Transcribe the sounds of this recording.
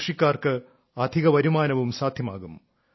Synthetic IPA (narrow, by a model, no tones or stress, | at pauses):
ʂikʲːaːrkɨ | ɐd̪ʱiɣɐʋɐɾumaːnɐʋumsaːd̪ʱjɐmaːɣum